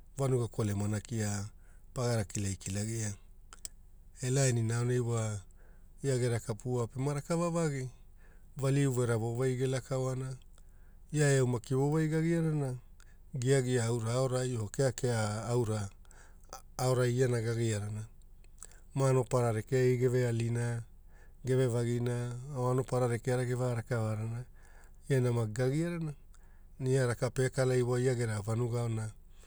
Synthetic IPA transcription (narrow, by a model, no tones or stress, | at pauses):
vanuɡakolemanakia | paɡaɾakilajkilaɡia | elaeninaonejwa | iaɡeɾakapuapemaɾakavavaɡi | valiuveɾavo̞vajɡelakaoana | jaewmakivovajɡaɡiaɾana | ɡiaɡiaːwɾaːoɾajookeakeaːwɾa | oɾaianaɡaɡiaɾana | mano̞paɾaɾekeiɡe̞vealina | ɡe̞ve̞vaɡinaoano̞paɾaɾekeaɾaɡevaɾakavaɾana | ianamaɡaɡiaɾana | niaɾakape̞kalajwajaɡe̞ɾavanuɡaona